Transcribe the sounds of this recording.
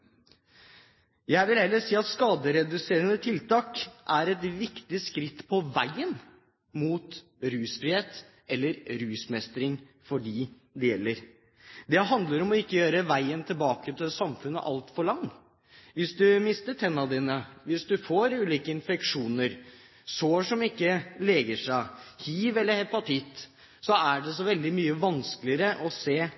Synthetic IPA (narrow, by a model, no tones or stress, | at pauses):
jæɪʋɪlhɛlːəʂiːɑt̪skɑːd̪əɾɛd̪ʉseːɾənət̪ʰɪlt̪ɑːkʔæɾɛt̪ʋɪkt̪ɪskɾɪt̪ːpʰɔʋæɪən | muːt̪ | ɾʉːsfɾɪheːt̪ | ɛlːəɾɾʉːsmɛst̪ɾɪŋ | fɔɖiː | d̪ɛjɛlːəɾ | d̪ɛɦɑnd̪ləɾɔmɔɪkːəjøːɾəʋæɪənt̪ʰɪlbɑːkət̪ʰɪlsɑmfʉnːə̰ʔɑlt̪fɔɭɑŋː | ʋɪsd̪ʉmɪst̪əʈʰɛnːɑd̪iːnəʋɪsd̪ʉfoːɾʉːliːkəɪnfɛkʂuːnəɾ | soʂɔmɪkːəleːɡəʂæɪhiːʋɛlːəɾhɛpɑt̪ʰɪt̪ː | sɔæɖɛs̬ɔʋɛld̪ɪmyːəʋɑnsklɪəɾəʔɔseː